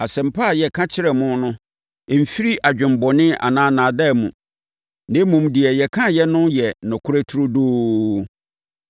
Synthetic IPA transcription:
a˨sɛ̃˨m̩˨pʰa˦˨jɛ˨kʰã˦t͡ɕʰɪ˦ɾɛ˨mʊ̃˦nʊ̃˦˨ | m̩˨fi˦ɾi˦ʔa˨d͡ʑᶣɪ̃˨m˦bɔ˨nɪ̃˦a̰˨nãː˦nãː˨da˦˨mṵ̃˨ | nɪ̃˦mũ˨mdɪ˨ɛ˨jɛ˨kʰã˦jɛ˦nʊ̃˦jɛ˨nʊ̃˨kʰʊ˦ɾæ˦tʰʊ˦ɾo˦doː˦

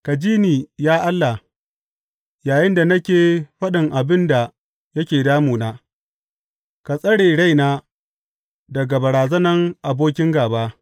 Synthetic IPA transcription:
ka˨d͡ʒiː˦niː˨jaː˦ʔa˦lːa˨ | jaː˨jɪ˦nda˨nɐ˦kʲeː˨ɸɐ˦ɗɪ˨ŋʔa˨bɪ˦nda˨ | jɐ˦kʲeː˨daː˦muː˨naː˦ | ka˨sʼɐ˦ɽeː˨ɽa˦jnaː˦ | dɐ˨ɡa˨bɐ˨ɽaː˨zɐ˦nɐ˦ŋʔa˨boː˦kʲɪ˦ŋɡaː˨baː˦

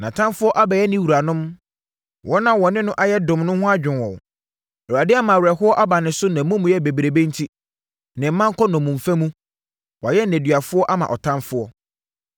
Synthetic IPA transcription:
nã˨tʰã˦nfʊ˦ɔ˦ʔa˦bɛ˨jɛ˦nɪ̃˦wu˨ɾa˨nʊ̃˦m | wʔɔ˦nã˦wɔ˨nɪ̃˦nʊ̃˦ʔa˦jɛ˦dʊ̃˨mnʊ̃˦hʊ̃˦a˦d͡ʑᶣɪ̃˨nwɔ̃˨ | wa˨dɪ˦a˦mã˨wɛ˨ɦʊ˦ɔ˦ʔa˦ba˨nɪ̃˨sʊ˦nã˨˦mʊ̃˦mũ˨jɛ˦be˨bɾe˨bẽ˦n̩˦tʰi˦ | nɪ̃˨m̩˦mã˦ŋ˦kʰɔ˦nɔ̃˨mʊ̃˨m̩˨fæ̃˦mũ˦ | wɔ˨jɛ˦nː˦˨æ̃˨dɥa˨fʊ˦ɔ˦ʔa˦mã̰˨ʔɔ˨tʰã˦nfʊ˦ɔ˦

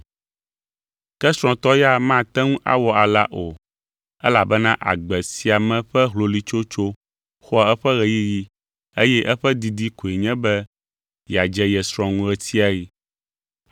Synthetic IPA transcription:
kɛ˦sɾ̃ɔ̃˨t̪ɔ˦ja˦mã˦˨t̪ɛ˦ŋũ˦ʔa̰˦wɔ˨a˨la˦ʔo˨ | ɛ̰˦la˨bɛ˦nã˦ʔa̰˨ɡ͡bɛ˨si˨a˨mɛ̃˨ɸɛ˦ɦlo˨li˦t͡ʃo˦t͡ʃo˦ | xɔ˦ɛ˦ɸɛ˦ɣɛ˨ji˦ji˦ | e˦jɛ˦ʔɛ˦ɸɛ˦d̪i˨d̪i˦ko˨i˨ɲɛ̃˦bɛ˦ | ja˨d͡ʒɛ˦jɛ˨sɾ̃ɔ̃˨ŋũ˦ɛ˦t̪i˦a˨ji˦

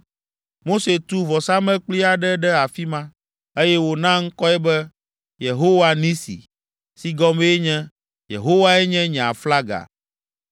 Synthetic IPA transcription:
mo˦se˨t̪u˦vɔ˨sa˦mɛ̃˦k͡pli˦a˨ɖɛ˦ɖɛ˦a˨fi˦mã˦ | e˦jɛ˦wo˨nã˦ŋ̩˦kɔ˦ɛ˦bɛ˦ | je˨ɦo˦wa˦nĩ˦sḭ˨ | si˦ɡɔ˦me˦e˦ɲɛ̃˦ | jḛ˨ɦo˦wa˦ɛ˦ɲɛ̃˦ɲɛ̃˨a̰˨fla˦ɡa̰˨

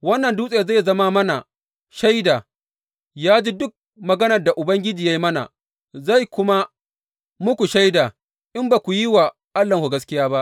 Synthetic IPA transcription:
wɐ˦nːɐ˨nduː˦sʼe˨za˦˨jzɐ˦ma˦mɐ˦na˨ | ʃa˦jdaː˨ | jaː˦d͡ʒi˦dʊ˦k̚ | mɐ˨ɡɐ˦nɐ˨rda˨ʔʊ˨bɐ˦ŋɡʲɪ˦d͡ʒiː˨ja˦ji˦mɐ˦na̰˨ | za˦˨jkʷʊ˦ma˦ | mʊ˦kʷu˨ʃa˦jda˨ | ʔɪ˦mba˨kʷu˨ji˦wa˨ | ʔa˦lːɐ˨ŋkʷu˨ɡɐ˦skʲɪ˦jaː˦ba˦ʔ

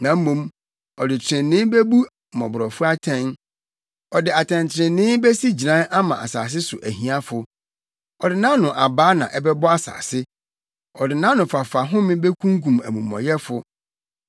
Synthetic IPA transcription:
nã˨m̩˦mũ˦m | ɔ˨dɪ˨t͡ɕʰɾɪ̃˨nɪ̃˦be˦bu˦ | mɔ̰̃˨bʊ˨ɾɔ˨fʊ˦a˦tʰɛ̃˦n | ɔ˨dɪ˨a˨tʰɛ̃˨ntʰɾɪ̃˨nnɪ̃˦be˦si˦d͡ʑi˨ã˦nʔa˦mã̰˨ʔa̰˨sa̰ː˨s̬ɪ˦sʊ˨ʔæ˨ɦĩ˨˦a˦fʊ˨ | ɔ˨dɪ˨nã˦nʊ̃˨ʔa˨baː˦nã˨ʔɛ˦bɛ˦bɔ˦a˦sa̰ː˨sɪ˦ | ɔ˨dɪ˨nã˦nʊ̃˨fa˨fa˨ɦʊ̃˦mɪ̃˦be˦kʰũ˦ŋkũ˨mæ˨mṵ̃˨mɔ̰˨jɛ˦fʊ˨

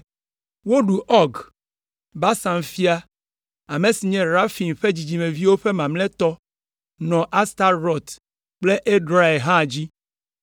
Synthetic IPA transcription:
wo˦ɖu˨ʔɔ˦ɡ | ba˦sã˨mfi˦a˦ | a˨me˨si˨ɲɛ̃˨ɾa˦fi˨nɸe˦d͡ʑi˨d͡ʑi˨mẽ˨vi˦wo˦ɸe˦mã˨mlɛ̃˦t̪ɔ˦ | nɔ̃˨ʔa˦st̪a˦ɾɾɔ˦˨t̪ | k͡ple˦ʔe˦ɖɾa˦e˨ɦã˦˨d͡ʑi˦

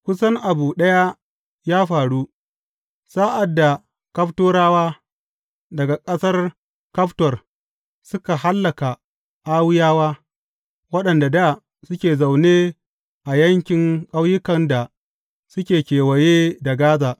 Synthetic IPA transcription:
kʷʊ˦sɐ˦ŋʔa˨buː˨ɗɐ˦ja˦ | jaː˦ɸaː˨ɽu˦ | saː˦ʔa˨dːa˨ | kɐ˦ɸtoː˦ɾaː˦waː˦ | dɐ˨ɡa˨kʼɐ˦sɐ˦r | kɐ˦ɸtɔ˨r | sʊ˦ka˨ha˦lːɐ˨ka˨ | ʔaː˦wɪ˦jaː˦waː˦ | wɐ˦ɗɐ˨nda˨da˦˨ | sʊ˦kʲeː˨za˨wneː˦ | ʔa˨jɐ˦ŋkʲɪ˨ŋkʼa˦wjɪ˦kɐ˨nda˨ | sʊ˦kʲeː˨kʲeː˨wɐ˨jeː˦da˨ɡaː˦zaː˨

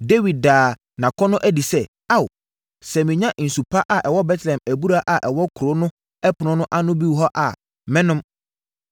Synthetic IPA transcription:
de˦wi˨d̚daː˨ | nã˨kʰɔ˦nʊ̃˦ʔæ˦di˨sɛ˦ | a˦˨w | sɛ˨mɪ̃˨ɲã˦ʔn̩˨su˨pʰa˦ʔa˨ʔɛ˨wɔ˦bɛ˦tʰlɛ̃˨mæ˨bu˦ɾa˦ʔa˨ʔɛ˨wɔ˦kʰʊ˨ɾo˦nʊ̃˦ | ɛ˦pʰʊ˨nʊ̃˦nʊ̃˦ʔa˦nʊ̃˦bi˦wɦɔ˦ʔa˨ | mɛ̃˦nʊ̃˦m

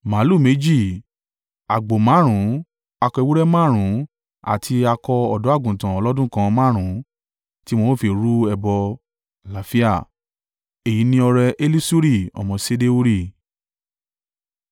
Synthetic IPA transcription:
mã˨˦lu˦˨me˨˦d͡ʒi˦˨ | a˨ɡ͡bo˨mã˨˦ɾ̃ũ˨˦ | a˧kɔ˧i˧wu˦ɾɛ˦mã˦˨ɾ̃ũ˨˦ | a̰˨tʰi˧a˧kɔ˧ɔ˨dɔ˨˦a˦˨ɡũ˨tã˨ɔ˨˧lɔ˦dũ˦kã˧mã˦˨ɾ̃ũ˨˦ | ti˦mõ˦fi˧˨ɾu˦ɛ˧bɔ˧ | la˨˦fi˦a˦˨ | e˨ji˨˦nĩ˧ɔ˧ɾɛ˧ʔe˦li˦su˦ɾi˦˨ɔ̰˨mɔ̃˧se˦de˦u˦ɾi˦˨

